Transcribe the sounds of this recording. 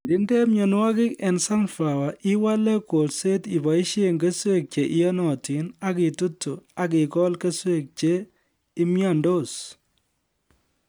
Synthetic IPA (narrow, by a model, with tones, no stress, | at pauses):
dɪ˦nde˦mɲɔ˨n˦wa˦kɪ˦kɛ˨nsa˦nfa˨wa˨ʔɪ˦wa˦le˦ko˨lse˦ti˨ba˨i˦ʃe˦ŋɡe˦swe˦˨k̚t͡ʃe˨ʔɪ˦ja˦nɔ˨ti˨na˦ki˨tu˦tːu˨a˨k̬ɪ˨kɔ˦lke˦swe˦˨k̚t͡ʃe˦ | ɪ˦mja˦˨ndo˦˨s